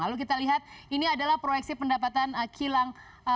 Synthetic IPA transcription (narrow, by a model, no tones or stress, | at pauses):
aluwkit̪aliɦat̪̚iniadalahpɾojɛksipəndapat̪anəkʰilaŋ